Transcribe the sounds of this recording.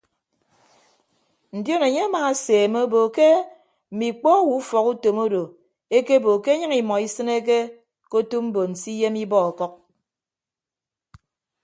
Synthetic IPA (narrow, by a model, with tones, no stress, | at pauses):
n̩˨djo˦ne˨ɲe˦a˦maː˨a˦seː˨me˦o˦bo˨ke˦ | m̩˨mi˨k͡pɔ˦wu˨˦u˦fɔ˨ku˦to˨mo˦do˨ | e˦ke˦bo˨ke˦ɲɨ˦ŋi˨mɔ˨i˦sɨ˦ne˦k̬e˦ | ko˦tu˦m̩˦bo˨n̩˨si˦je˦mi˦bɔ˦ɔ˨kɔ˦k̚